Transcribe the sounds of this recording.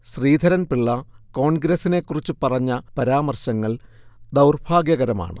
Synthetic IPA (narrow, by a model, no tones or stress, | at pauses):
ɕriːd̪ʱɐɾɐnpiɭːɐko̞ːɳɡɾɐsine̞kːurit͡ɕːɨpɐrɐɲːɐpɐɾaːmɐrɕɐŋːɐɭd̪ɐwrbʰʱaːɡjɐɣɐɾɐma̰ːɳɨ̰